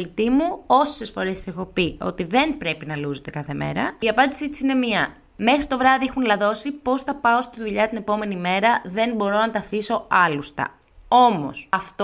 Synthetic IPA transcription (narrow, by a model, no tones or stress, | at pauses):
lit̪imuo̞se̞sfo̞ɾese̞xo̞pio̞̰t̪iðe̞npɾe̞pinɐluzot̪e̞kɐθe̞me̞̰ɾɐiɐpɐnd̪isit̪i̥sine̞miɐ | me̞xɾit̪o̞vɾɐðiixunlɐðo̞sipo̞sθɐpɐo̞st̪iðuʎɐt̪ine̞po̞me̞nime̞ɾɐðe̞nbo̞ɾo̞nɐt̪ɐfiso̞ɐlust̪ɐ̰ | o̞mo̞̰sɐft̪o